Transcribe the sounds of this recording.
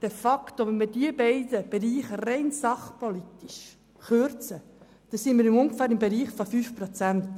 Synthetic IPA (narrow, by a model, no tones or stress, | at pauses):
d̥ɛfɑkt̪oʋɛnmid̥iəbɛɪd̥əb̥eɾiːχərɛɪnsɑχpolit̪iʃ | χøɾt͡sə | d̥ɑsinmiːɾɪmʊŋɡfæːɾɪmbeɾiːχfofyːfpɾɔt͡sænt̪